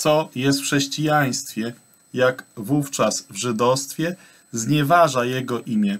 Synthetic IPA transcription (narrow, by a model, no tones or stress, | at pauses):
t̪sɔjɛst̪fxʂɛɕt͡ɕijaj̃st̪fʲjɛ | jakvuft͡ʂasvʐɘd̪ɔst̪fʲjɛ | zɲɛvaʐajɛɡɔʔimʲjɛ